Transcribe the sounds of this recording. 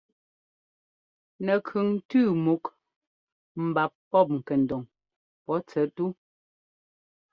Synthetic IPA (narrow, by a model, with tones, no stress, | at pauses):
nɛ˨kʰʉ˨ŋ̩˦tʉː˦˨mu˨˦k | m̩˨ba˨pːɔ˦˨p̬̚ŋ̩˨kɛ˨n̩˨dɔ˨ŋ | pɔ˨˦t͡sɛ˨˦tu˦